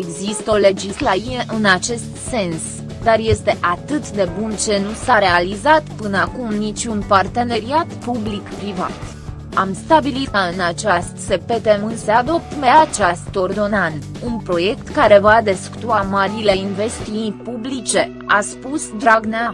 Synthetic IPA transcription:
eɡzist̪ole̞d͡ʒislaieʔɨnat͡ʃe̞st̪se̞ns | d̪arje̞st̪e̞ʔat̪ɨt̪d̪e̞bunt͡ʃe̞nusaɾe̞alizat̪pɨnəakumnit͡ʃʲunpart̪e̞ne̞ɾiat̪publikpɾiva̰t̪ | amst̪abilit̪kaɨnat͡ʃast̪se̞pet̪emɨnsead̪o̞p̚t̪me̞at͡ʃast̪o̞rd̪o̞nant̪ | unpɾo̞je̞kt̪kaɾe̞vad̪esku̥t̪uamaɾile̞inve̞st̪iupublit͡ʃe̞ | a̰spusd̪ɾaɡnea

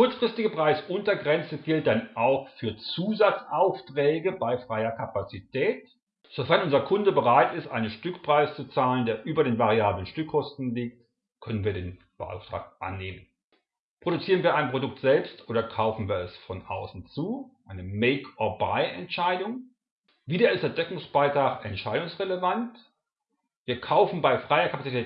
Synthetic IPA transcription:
kʰʊɐt͡sfʁ̥ɪstɪɡəpʁ̥aɪsʔʊntɐɡʁɛnt͡səɡɪlt̚d̥anʔaʊxfyːɐt͡suːzat͡sʔaʊftʁ̥ɛːɡəbaɪfʁ̥aɪɐkʰapat͡sitʰɛːt | z̥ofɛɐnʔʊnzɐkʰʊndəbəʁaɪtɪstʔa̰ɪnənʃtʏkpʁ̥aɪst͡sut͡saːləndeːɐʔyːbɐdeːnvaʁiaːblənʃtʏkʰːɔstn̩liːk̚t | kʰœnənviːɐdeːn | b̥əa̰ʊftʁ̥a̰ːkʔa̰nːeːmən | pʁ̥oɾut͡siːʁənviːɐaɪnpʁ̥odʊk̚tz̥ɛlpstʔoːdɾɐkʰaʊfn̩viːɐɛsfɔnʔa̰ʊsn̩t͡suːʔaɪnəmeɪkʰɔɐba̰ɪʔɛntʃaɪdʊŋ | viːdɐɪstɛɐd̥ɛkʊŋsb̥aɪtʁ̥aːχɛntʃaɪdʊŋsʁeləvant | viːɐkʰaʊfn̩baɪfʁ̥aɪɐkʰapat͡sitʰɛːt

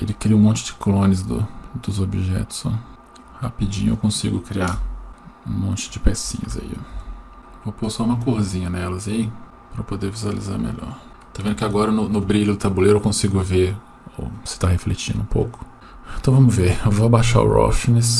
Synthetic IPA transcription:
elɪkɾiɐũmõnt͡ʃɪd͡ʒɪklõnɪzd̪ʊ̰d̪ʊzobiʒɛ̰t̪ʊ̥sɔ | hapid͡ʒḭ̃ɲʊḛwkõsiɡʊkɾiaɾũmõnt͡ʃɪ̥d͡ʒɪpɛsḭ̃ɲɐ̰za̰ḭ | voposaũmɐkohzĩɲɐnɛlɐzai | pɾɐpod̪eɾvizuwalḭza̰ɾmḛʎɔ̰ɾ | t̪ovẽd̪ʊkɪaɡɔɾɐnʊnʊbɾiʎʊd̪ʊt̪abulejɾewkõsiɡʊveɾ | o̰sɪ̥t̪aɦeflet͡ʃĩnd̪ʊũpo̰wkʊ̥ | ẽt̪ɐ̃w̃vɐ̃mʊveɾvoɐbaʃa̰ɾʊ̰ɾɔ̰finɛs

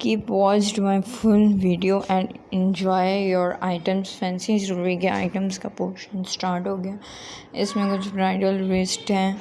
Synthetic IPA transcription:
kiːpʋɔːt͡ʃʈmaːɪfʊlʋiːɖioʔɛ̃ːɳɖ | ɪ̃ɲd͡ʒaːɪɾjɔːɾaːɪʈə̃msfɛ̃ːnsĩʃ̬ɾʊɾuiɡea̰ːɪʈə̃mskapoːʃə̃nsʈaːɾʈɦoːɡɐjaː | ɪsmẽkʊt͡ʃʰfɾaːɪɖəlɾɪsʈɦɛː

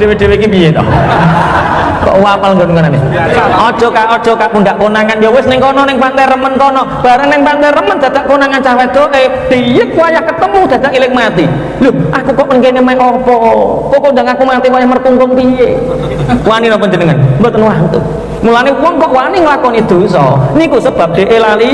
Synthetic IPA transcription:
d̥ewed̥e̤wekipijed̪ɔ̰ | kɔ̰ʔwapalŋɡonkɔnaneɔd̥ʒ̥ɔ̤kaʔɔd̥ʒ̥ɔ̤kaʔpund̪aʔkonaŋanjɔwɪsnɪŋkɔnɔnɪŋpant̪ajrəmənkɔnɔb̥a̤ɾəŋnɪŋpant̪ajɾəmənd̪̥a̤d̪aʔkonaŋant͡ʃawɛd̪̥oʔe | d̥ijɪk̪̚wajahkət̪əmud̪̥a̤d̪̥aʔilɪk̚mat̪i | luhʔakukɔʔmənkenemaɛʔɔpɔkɔkondaŋakumat̪iwajahmərkuŋkʊŋpije | waninɔpəɲd͡ʒənəŋanmbot̪ənwant̪ṵ | mulanewɔŋkɔʔwaniŋəlakɔnid̪̥o̤sɔ̰nikusəb̥a̤p̚d̪̥e̤ʔelali

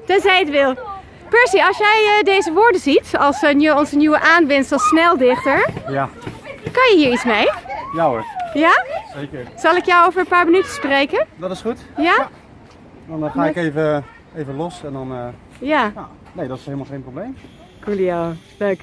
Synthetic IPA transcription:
d̥ɔsɛjətʋɪlˠ | pɛɹsiɑlˠsjɛjədejzəʋʊːɹdəzitɑlˠsnjəɔnzənjuwəʔaːnʋɪnsəlˠsnɛlˠdɪχtəɹjakɑnjəɦiːɹitsmejjawətjasejkəɹz̥ɑlˠɪkjɔwowvəɹənpaːɹmənytəsprejkəndɔtɪsχutja | dɔnχaːɪkejvə | ejvəlɔsɛndɔnə | jaja | nejdɔtɪ̥selˠmalˠχejnproblejm | kulia | løk

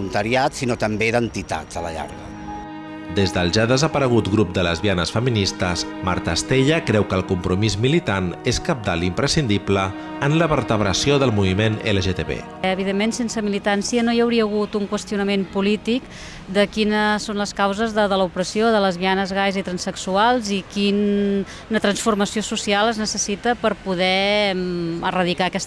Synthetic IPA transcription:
unt̪əɾiat̪sinot̪əmbed̪ənt̪it̪a̰dz̥ələ̰ʎa̰ɾɣə | d̪ezðəlˠʒaðəzəpəɾəɣ̞ut̪ɣɾup̚d̪ələzβianəsfəminist̪əz | ma̰ɾt̪əst̪eʎəkɾɛwkəlˠkumpɾumizmilit̪aneskəp̚d̪a̰limpɾəsind̪iplə | ənləβəɾt̪əβɾəsioðəlˠmuβimeneləʒet̪ḛβḛ | əβiðemːensensəmilit̪ansiənojəwɾiəːɣ̞ut̪uŋkwəst̪iunəmempulit̪ik | d̪əkinəsonləskawzəzðəðələupɾəsioðələzβianəzɣajzit̪ɾənsəksualˠzikin | nət̪ɾənsfurməsiosusialˠəznəsəsit̪əpəɾpuðɛ | ərəð̞ikaəkɛst̪

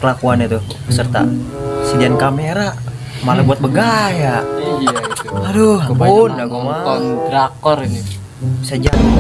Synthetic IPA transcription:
kəlakuanat̪u | pəsərt̪a̰sidiankameɾa | malabuat̪̚bəɡaja | adobunaɡumadɾakɔrni | isad͡ʒa

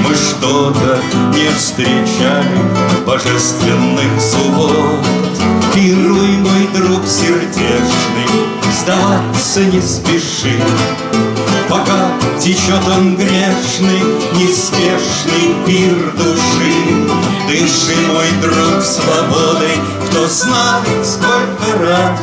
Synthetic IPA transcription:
mɨʂt̪ot̪ənʲɪfst̪ɾʲɪt͡ɕalʲɪvbɐʐɛst̪vʲɪnːɨxsʊbo | pʲɨɾujmojd̪ɾuksʲɪrdʲeʂnɨj | sd̪ɐvat̪sənʲɪspʲɪʂɨ | pɐkatʲɪt͡ɕot̪əmɡɾʲeʂnɨj | nʲɪspʲeʂnɨjpʲird̪ʊʂɨ | d̪ɨʂɨjmojd̪ɾuksvɐbod̪ɨj | kt̪oznajɪt̪sko̞lʲkəɾat̪

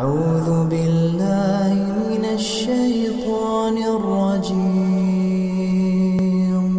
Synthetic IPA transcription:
ʕuːðʊbɪlːaːhɪmɪnaʃːaj | t̪ˤɑːnɪrˤːɑd͡ʒiː | m

